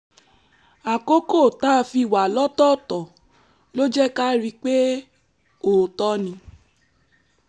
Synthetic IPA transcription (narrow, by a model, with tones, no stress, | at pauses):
a˨ko˦ko˦˨ta˦˧fi˧˨wa˨lɔ˦tɔ˦˨tɔ˨ | lo˦d͡ʒɛ˦ka˦ɾi˧k͡pe˦ | o˨tɔ˦nĩ˧